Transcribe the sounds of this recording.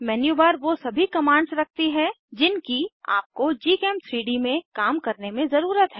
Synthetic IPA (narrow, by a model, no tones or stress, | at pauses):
mɛːnjubaɾʋosɐbʱikɐmãːɳɖsɾɐk̚ʰt̪iɦɛ | d͡ʒɪnkia̰ːp̚kod͡ʒiːkɛ̃ːmt̪ʰɾiːɖimẽkaːmkɐɾnemẽzɐɾuːɾət̪ɦɛː